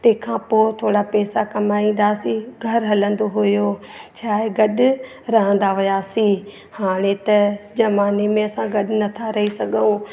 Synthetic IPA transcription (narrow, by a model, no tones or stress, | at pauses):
t̪ẽkʰãpot̪ʰoːɽapɛːsakɐmaːĩːn̆d̪aːsiɡʱɐɾɦɐlə̃nd̪oɦʊjoː | t͡ɕʰaːeɡɐɗʊ | ɾɐɦə̃nd̪aɦʊjaːsĩ | haːɽ̃ẽt̪ɐd͡ʒɐmaːnemẽɐsãɡɐɗnɐt̪ʰaɾɐɦisɐɡũ